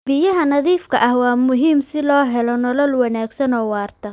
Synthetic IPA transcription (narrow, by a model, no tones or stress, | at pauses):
b̥ɪjɐɦɐnɐðiːfkʰɐʔɐhwɑːmʊɦiːmsɪlɔːɦɛlɔnɔlɔlwɑnaːɡsɐnɔːwɑːrt̪ʰɐ